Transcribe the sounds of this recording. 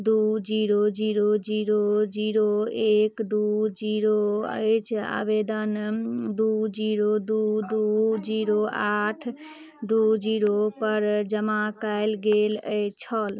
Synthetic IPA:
d̪ud͡ʒiɾod͡ʒiɾod͡ʒiɾod͡ʒiɾoekd̪ud͡ʒiɾoə̰jt͡ʃʰa̰bed̪ənd̪ud͡ʒiɾod̪ud̪ud͡ʒiɾoaʈʰ | d̪ud͡ʒiɾopəɾd͡ʒəmakaɪlɡelə̰jt͡ʃʰɔl

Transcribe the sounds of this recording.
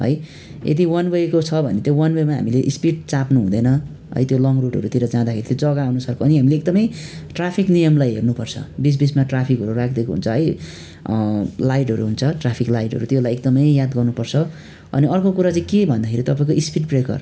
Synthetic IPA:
ɦʌ̰j | ḛd̪iwʌnwʌjkot͡sʰʌbʱʌ̰net̪jowʌnwʌjmaɦa̰mileʔispiʈ̚t͡sapnuɦũd̪ʌjnʌ | ɦʌ̰jt̪jolʌŋɡroʈɦʌ̰ɾut̪iɾʌd͡zãd̪akʰeɾit̪jod͡zʌɡaawnusʌrkʰoʌniɦamileek̚d̪ʌmʌjʈrapʰiknijʌmlajɦḛrnupʌrt͡sʰʌ̰bis̬bismaʈrapʰikɦʌɾurak̚ʰd̪ekoɦṵnt͡sʰʌɦʌj | lajʈɦʌɾuɦunt͡sʰʌʈrapʰiklajʈɦʌ̰ɾut̪jelajek̚d̪ʌmʌjjad̪ɡʌrnupʌrt͡sʰʌ | ʌ̰niʔʌrkokuɾat͡sãĩkebʱʌnd̪akʰeɾit̪ʌpaĩkoispiʈ̚prekʌ̰r

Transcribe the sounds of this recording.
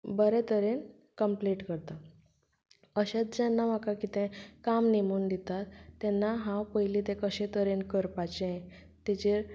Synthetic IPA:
bəɾɛt̪əɾen | kəmpliʈkəɾt̪a | əɕat͡sd͡ʑɛnːamakakit̪ɛ̃kamnemuːnd̪it̪at̪ːɛnːaɦãwpəjlit̪ekəɕɛ̃t̪əɾenkəɾpat͡ɕe | t̪ɛt͡ɕe

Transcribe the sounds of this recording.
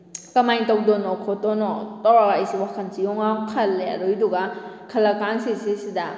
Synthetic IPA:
kɐmajtɐwdɔnɔkʰɔtɔnɔtɔwɾakajsiwakʰɐnsijɔŋakʰɐlːea̰ɾojduɡakʰɐlɐkansisisida

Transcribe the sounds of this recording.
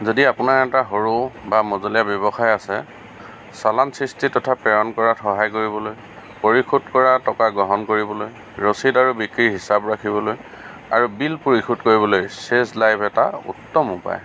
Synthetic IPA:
zodiapʊnaɹɛtaɦoɹubamɔzɔlijabjɔbɔxajasɛ̰ | salansɹistitɔtʰapɛɹɔnkɔɹaxɔɦajkoɹibɔloj | poɹikʰutkɔɹatɔkaɡɹɔɦɔnkoɹibɔloj | ɹosidaɹubikɹiɦisabɹakʰibɔloj | a̰ɹubilpoɹixʰutkoɹibɔlojseslajbʰɛtaṵtːɔmupa̰j

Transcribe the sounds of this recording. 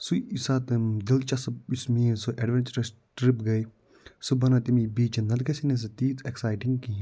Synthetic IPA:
suisat̪ɨd̪ilt͡ʃɐsismĩːsuʔeɖʋent͡ʃɐɾɐsʈɾipɡɐj | subɐnɐt̪imibiːt͡ʃnɐd̪̚ɡɐsines̬ɐt̪iːt̪eksaːjʈiŋɡki

